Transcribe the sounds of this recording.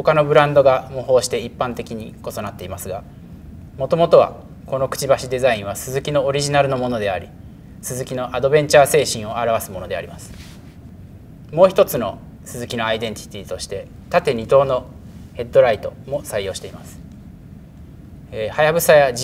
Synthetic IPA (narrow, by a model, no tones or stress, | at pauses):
ho̞kano̞bɯ̟ɾãnd̪o̞ɡamoɦo̞ːɕi̥t̪e̞ipːãnt̪e̞kʲiɲ̟iko̞so̞nat̪ːe̞imasɨɡa | mo̞t̪o̞mo̞t̪o̞β̞a̰ | ko̞no̞kɯ̥t͡ɕibaɕid̪e̞zaĩɰ̃βasɨzɨkʲino̞ːɾʲiʑinaɾɯ̟no̞mo̞no̞d̪e̞aɾʲḭ | sɨzɨkʲino̞ʔad̪o̞bẽ̞ɲ̟t͡ɕaːse̞ːɕĩɰ̃o̞aɾaβ̞asɨmo̞no̞d̪e̞a̰ɾʲimasɨ̥ | mo̞ːçi̥t̪ot͡sɨno̞̰ | sɨzɨkʲinoaid̪ẽ̞ɲ̟t̪ʲi̥t̪ʲiːt̪o̞ɕi̥t̪e̞ | t̪at̪e̞ɲ̟ʲit̪o̞ːno̞he̞d̪ːo̞ɾait̪o̞mo̞saijo̞ːɕi̥t̪eimasɨ̥ | ehajabɯ̟saja